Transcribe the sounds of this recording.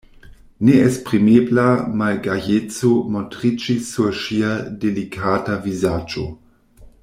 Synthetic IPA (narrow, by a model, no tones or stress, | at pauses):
neespʁimeːblamalɡajet͡somotʁit͡ʃisuʃiadelikʰaːtavizaːd͡ʒo̰